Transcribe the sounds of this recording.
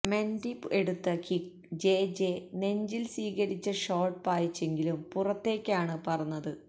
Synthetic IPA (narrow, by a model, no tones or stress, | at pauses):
me̞ndipːe̞ɽut̪ːɐkik̚ | d͡ʑe̞ːd͡ʑene̞ɲd͡ʑilsiːɣɐɾit͡ɕːɐʂo̞ːrʈpaːjit͡ɕːe̞ŋɡilumpurɐt̪ːe̞ːkʲːaːɳɨpɐrɐnːɐðɨ